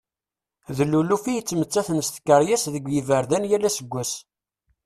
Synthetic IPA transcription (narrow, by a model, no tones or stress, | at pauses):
ðəlːulufijət͡sːmət͡sːæθnst̪kːəɾˤjæsðəɡʷjivəɾðænjælæsəɡʷːæs